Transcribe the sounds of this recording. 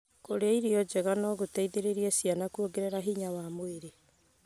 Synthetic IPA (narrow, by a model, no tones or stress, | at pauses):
koɾeaiɾiɔd͡ʑɛɣanɔɣotaiðeɾeɾiesianakuoɡeɾeɾaɦiɲawamoeɾe